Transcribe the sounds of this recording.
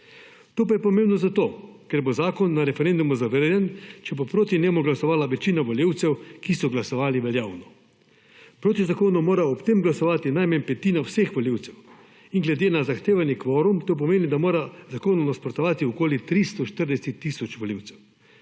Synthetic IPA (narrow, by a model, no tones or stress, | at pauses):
t̪oːp̬ajɛpɔmẽmbnɔzat̪oːkɛɾbozaːkɔnːaɾɛfɛɾend̪umuzaʋəɾjɛnt͡ʃɛbopɾoːt̪inʲjeːmuɡlasɔʋaːlaʋɛt͡ʃiːnaʋoljiwt̪sɛwkisɔɡlasɔʋaːliʋɛljaːwnɔ | pɾoːt̪izakoːnumoːɾaɔpt̪emɡlasɔʋaːt̪inajmɛnpɛt̪iːnawsexʋoliwt̪sɛw | inɡlɛd̪eːnazaxt̪eːʋanjɛkʋoːɾumt̪oːp̬ɔmeːnid̪amoːɾazakoːnunaspɾɔt̪ɔʋaːt̪iɔkoːlit̪ɾist̪ɔʃt̪əɾd̪ɛsɛt̪ːiːsɔt͡ʃʋɔliwt̪sɛw